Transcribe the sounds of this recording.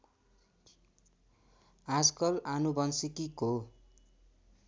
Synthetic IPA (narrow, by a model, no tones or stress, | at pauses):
ad͡zkʌlanubʌnsikiko